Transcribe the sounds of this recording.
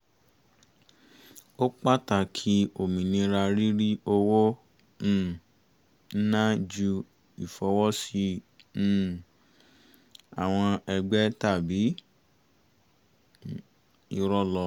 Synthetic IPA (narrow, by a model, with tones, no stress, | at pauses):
o˦k͡pa˦ta˨kʰi˦o˨mĩ˨nĩ˧ɾa˧ɾi˦ɾi˦o˧wõ˦˨ | n̩˦nã˦d͡ʒu˧ | i˨fɔ˧wɔ˦sĩ˧˦˨ | a˨w̃ɔ̃˧ɛ˧ɡ͡bɛ˦ta˦˨bi˨˦ | i˧ɾɔ˦lɔ˧